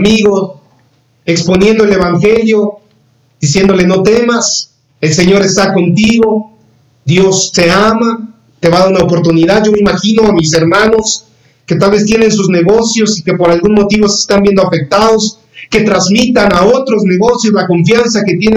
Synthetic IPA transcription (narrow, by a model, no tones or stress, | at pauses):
miɣo̞ | ekspo̞nje̞nd̪oe̞le̞βaŋxe̞ljo̞ | ð̥isje̞nd̪o̞le̞no̞t̪e̞mas | e̞lse̞ɲo̞ɾe̞st̪ako̞nt̪iɣo̞ | ðjo̞st̪e̞ama | t̪e̞βaðaunaopo̞ɾt̪uniðaðʝo̞meimaxino̞amis̬e̞ɾmãno̞s | ke̞t̪alβe̞st̪jene̞ns̬uzne̞ɣo̞sjo̞sike̞po̞ɾalɣunmo̞t̪iβo̞se̥st̪ambje̞nd̪oafe̞k̚t̪aðo̞s | ke̞t̪ɾazmit̪anao̞t̪ɾozne̞ɣo̞sjo̞slako̞ɱfjans̬aket̪je̞ne